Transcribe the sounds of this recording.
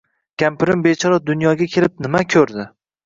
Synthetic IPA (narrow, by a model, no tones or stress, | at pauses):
kʲʰampɪɾɪmbet͡ʃʰɒɾɒd̪ʊnjɒɡʲakʲʰe̞lɪp̚nɪmakʲʰɵɾd̪ɪ